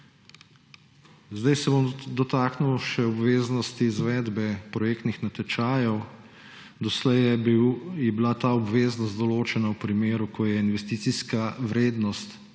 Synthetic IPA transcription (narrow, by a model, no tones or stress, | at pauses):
zd̪ajsɛbomd̪ɔt̪aknuwʃɛɔbʋeːznɔst̪iːzʋɛːd̪bɛpɾɔjeːk̚t̪nixnat̪ɛt͡ʃaːjɔw | d̪ɔslɛj | jɛbilat̪aɔbʋeːznɔst̪d̪ɔloːt͡ʃɛnawpɾimeːɾukʰɔjɛinʋɛst̪iːt̪siskawɾeːd̪nɔst̪